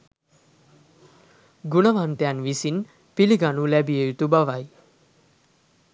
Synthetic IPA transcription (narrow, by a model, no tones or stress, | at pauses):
ɡunəʋant̪ejanʋisin | piliɡanulæbiejut̪ubaʋaj